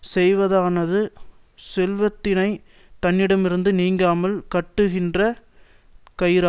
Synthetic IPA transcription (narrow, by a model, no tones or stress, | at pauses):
sɛjʋɐðaːnɐðɯ | sɛlʋɐt̪ːɪnɐɪ | t̪ɐnːɪɽɐmɪɾɯnd̪ɯniːŋɡaːmɐlkɐʈːɯɣɪndrɐ | kɐjɾa